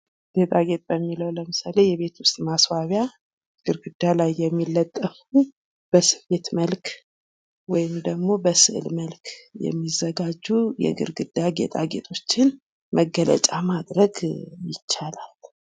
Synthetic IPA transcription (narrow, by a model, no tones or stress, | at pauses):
ɡ̥et̪ʼaɡe̞t̪ʼbəmːiləwləmɨsale̞jɛβe̞t̪wʊst̪ʼmaswaβja | ɡ̥ɨɾɡɨd̪ːalajːɛmːilːət̪ʼːəfu | b̥əsɨ̥fe̞t̪məlk | wɔjɪmd̪əɡmo̞bəsɨ̰ʔlməlkʰjɛ̰mːizːəɡad͡ʒːujɛ̰ɡɨ̰ɾɡɨd̪ːaɡḛt̪ʼaɡe̞̰t̪ʰʼo̞t͡ʃːɪn | məɡːələ̰t͡ʃʼamad̪ɾəɡjɪt͡ʃːalal